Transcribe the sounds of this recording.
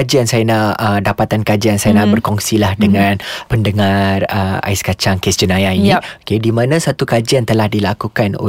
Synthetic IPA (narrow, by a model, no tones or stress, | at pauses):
ad͡ʒiansajanaʔədapat̪ankad͡ʒiansajanaʔbərkɔŋsilahdəŋãnpəndəŋarəa̰ɪskat͡ʃaŋkesd͡ʒənãjainiokedimãnãsat̪ukad͡ʒiant̪əlahdilakukano̰